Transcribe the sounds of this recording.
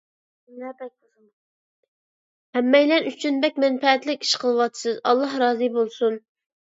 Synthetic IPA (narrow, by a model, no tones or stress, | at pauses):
bɛ | hɛmːɛjlɛnyt͡ʃʰynbɛkʲmɛnfɛːt̪lɪkʲi̥ʃqʰəlˠɨwɑt̪ɨ̥sɨzɑ̰lˠːɑhɾɑːzɨbolˠsun